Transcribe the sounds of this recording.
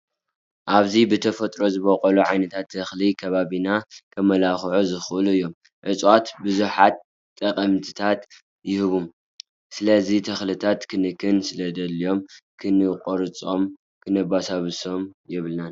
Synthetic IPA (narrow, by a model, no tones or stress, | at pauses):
ʔaβzibɨt̪ʰɐfɐt̪ʼɾo̞zɨβokʼɐluʕajnɐt̪ʰat̪ʰːɐxlikʰɐβaβinakʰɐmːɐlaxʕuzɨxʔɨluɨjːo̞m | ʕɨt͡sʼwat̪bɨzuħat̪̚ | t̪ʼːɐqʼɐmt̪ʰɨ̥t̪ʰat̪ | jɪhɨβum | sɨlɐzit̪ʰɐxlit̪ʰat̪kʰɨnɨkʰːɨnsɨlɐd̪ɐlio̞mkʰɨnɨqʼoɾɨt͡sʼo̞m | kʰɨnɐbasaβɨso̞mjɛβɨlnan